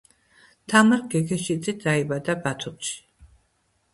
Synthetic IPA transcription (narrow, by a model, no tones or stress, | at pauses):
t̪ʰamaɾɡɛɡʰɛʃid̪zʼid̪aibad̪abat̪ʰumʃi̥